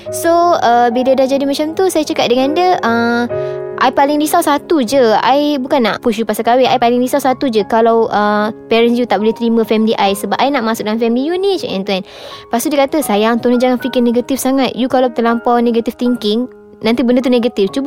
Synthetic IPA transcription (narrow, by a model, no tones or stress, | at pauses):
soəbidadad͡ʒadimat͡ʃamt̪usajat͡ʃəkat̪̚dəŋãndəə | ʔajpalɪŋdisawsat̪ud͡ʒəa̰jbukanːa̰ʔpuʃ̬jupasakawɛajpalɪŋdisawsat̪ud͡ʒəkalawʔəpɛɾɛnsjut̪aʔbolɛht̪ɾimə̃fɛmliʔajsəbap̚ajnaʔmasʊk̚dəŋanfɛmilijunit͡ʃɛ̰̃nt̪uan | past̪udikat̪əsajaŋt̪unad͡ʒaŋanfikɪrneɡat̪ifsaŋãt̪̚jukalawt̪əlampawneɡat̪ift̪iŋkɪŋ | nãnt̪ibəndət̪̬uneɡat̪ift͡ʃub